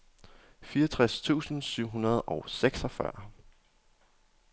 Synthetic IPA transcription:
fiːʌt͡sʰʁast͡sʰṵːsn̩syʊ̰ɦunɐð̞ˠʔɒ̽ʊseɡ̥sɒfɶ̰ɐ̰

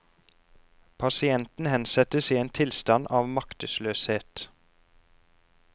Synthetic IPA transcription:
pʰɑsɪɛnt̪n̩hɛnsɛt̪əsiːeːnt̪ʰɪlst̪ɑnʔɑːʋmɑkt̪əsløːsheːt̪

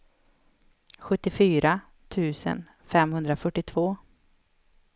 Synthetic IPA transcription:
ɧɵt̪ːɪfyːɾa | t̪ʰʉ̟ːsə̰n | fɛmhɵnd̪ɾafœʈːɪt̪ʰvoː

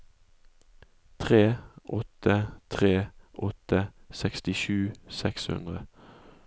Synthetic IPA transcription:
t̪ʰʁeːʔɔt̪ət̪ʰʁeːʔɔt̪əsɛkst̪ɪʃʉːsɛkshʉ̰nd̪ʁə

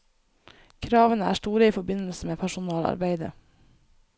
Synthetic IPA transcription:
kʰɾɑːʋənəæ̰ːʂʈuːɾəiːfɔbɪnl̩səmeːpʰæʃʊnɑːlɑ̰ɾbeɪd̪ə̰

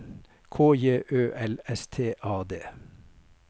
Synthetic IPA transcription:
kʰoːjeːʔøːʔɛlɛst̪ʰeːʔɑːd̪eː

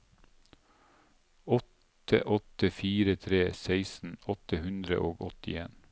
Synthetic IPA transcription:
ɔt̪ʰ | ə̰ʔɔt̪əfiːɾət̪ʰɾeːsæɪsn̩ɔt̪əhʉnd̪ɾə̰ʔoːɡɔt̪ɪ̰ḛːn

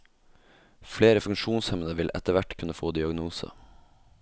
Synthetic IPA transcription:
fleːɾəfʉŋʃuːnshɛmənəʋɪlʔɛ̰t̪əʋæʈkʰʉnəfoːd̪ɪɑɡnuːsə̰

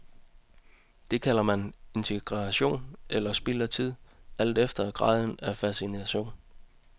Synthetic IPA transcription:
d̥e̝kʰæl̰ɐmæne̝nt͡sʰe̝ɡ̥ʁɑɕo̝̰ːnʔelɐsb̥iːlɐt͡sʰið̞̰ˠæl̰d̥efd̥ɐɡ̥ʁɑ̰̈ːð̞ˠn̩æfæsinæɕo̝̰ːn

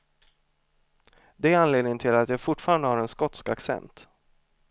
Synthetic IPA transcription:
d̪ɛːɾanleːd̪nɪŋənʰɪlat̪jafʊʈfɑːɾand̪əhaɾɛnskɔt̪skaksɛ̰nt̪

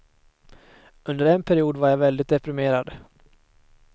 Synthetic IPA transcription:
ɵnd̪əɾɛnpʰæɾɪuːd̪vaɾjavɛld̪ɪt̪̚d̪ɛpɾɪmeːɾad̪

